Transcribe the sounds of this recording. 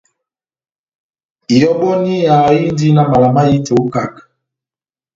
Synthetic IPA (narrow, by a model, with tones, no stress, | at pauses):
i˨jɔ˦ɓɔ˦ni˦ja˨i˦n˦di˦na˦ma˨la˨ma˦ji˦tɛ˨u˦ka˦˨k